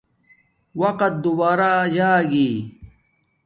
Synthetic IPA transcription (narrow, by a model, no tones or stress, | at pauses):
wɐqɐt̪̚d̪ubaːɾaːd͡ʑaːɡiː